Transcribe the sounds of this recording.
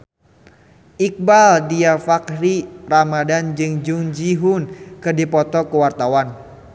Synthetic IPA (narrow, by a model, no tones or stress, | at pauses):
ʔik̚baldiafakriɾamadand͡ʒɨŋd͡ʒuŋd͡ʒiɦʊnkɨrdipɔt̪ɔkəwart̪awan